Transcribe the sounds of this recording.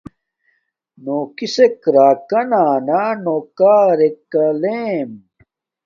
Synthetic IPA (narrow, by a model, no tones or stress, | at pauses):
noːkisekɾaːkɐnaːnaːnoːkaːɾekːɐleːm